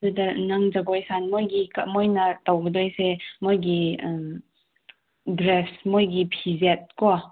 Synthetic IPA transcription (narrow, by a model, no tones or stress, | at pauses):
udɐnaŋd͡ʒɐɡojsanmojɡikɐmojnɐtawɡədojsemojɡi | dɾesmojɡipʰizet̚kɔ